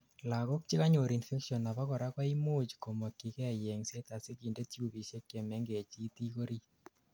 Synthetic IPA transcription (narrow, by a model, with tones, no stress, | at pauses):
la˨ko˦k̚t͡ʃɪ˦ka˦ɲo˨ɾi˨nfe˦kʃiɔ˨na˨pa˦kɔ˨ɾa˦kwa˦i˦mo˦t͡ʃko˨mo˨kːi˨kɛ˦a˨jɛ˨ŋse˦t̪a˨se˦ki˨nde˦ti˦u˨ki˨ʃe˦kje˨mɛ˦ŋɡe˨t͡ʃi˦t̪i˦ko˦ɾi˦